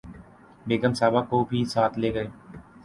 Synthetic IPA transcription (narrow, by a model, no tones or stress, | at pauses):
ɗeːɡəmsaːbaːkoːbʱiːsaːt̪ʰleːɡəeː